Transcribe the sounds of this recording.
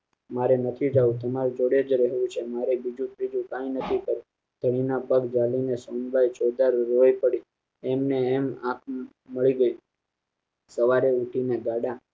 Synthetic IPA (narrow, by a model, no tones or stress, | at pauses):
maɾenət̪ʰid͡ʒaũt̪əmaɾd͡ʒoɽed͡ʒɾɛɦʋũt͡ʃʰemaɾebid͡ʒũt̪ɾid͡ʒũkãjnət̪ʰikəɾũ | d̪̥ʱəɽ̃inapəɡd͡ʒalinesonbajt͡ʃod̪aɾːojpəɽi | ɛmneːmãkʰ | məɭiɡəi | səʋaɾeuʈʰineɡaɽa